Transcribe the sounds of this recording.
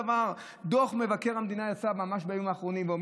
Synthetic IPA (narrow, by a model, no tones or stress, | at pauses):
avaʁ | d̪oχme̞vake̞ʁhamd̪inajat͡samamaʃbeajomaːχʁo̞nimveom